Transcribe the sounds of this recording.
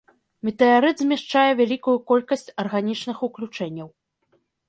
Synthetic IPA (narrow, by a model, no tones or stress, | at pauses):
mʲɛt̪ɨaɾɨd̪zʲmʲaʂt͡ʂajɛvʲalʲikujukɔlʲkɐsʲt͡sʲɐrɣanʲit͡ʂnɨxuklʲut͡ʂɛnʲːɐw